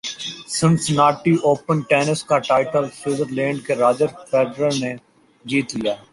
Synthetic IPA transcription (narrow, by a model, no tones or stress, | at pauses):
sɪ̃ɳsnaːʈiʔoːpənʈɛːnəskaʈaːɪʈəlsɪːzəɾlɛ̃ːɳɖkeɾaːd͡ʒəɾpɛːɖɾəɾne | d͡ʒiːt̪lijaː